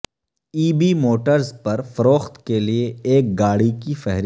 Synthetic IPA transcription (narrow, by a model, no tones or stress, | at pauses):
iːbimoːʈəɾzpɐɾfɐɾoːxt̪kelieeːk̚ɡaːɽikifɛɦɾ